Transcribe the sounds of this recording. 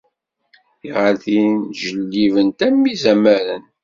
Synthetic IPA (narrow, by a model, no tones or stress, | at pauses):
iʁəɾθinʒəlːivənt̪æmːizæmæɾən